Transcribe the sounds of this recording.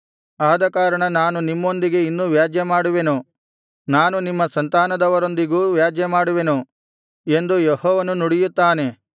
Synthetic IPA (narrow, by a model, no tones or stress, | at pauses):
aːd̪ɐkaːɾɐɳɐnaːnunimːo̞nd̪iɡe̞inːuʋjaːd͡ʒjɐmaːɽuʋe̞nu | naːnunimːɐsɐnt̪aːnɐd̪ɐʋɐɾo̞nd̪iɡuːʋjaːd͡ʒjɐmaːɽuʋe̞nu | e̞nd̪ujehɔːʋɐnunuɽijut̪ːaːne̞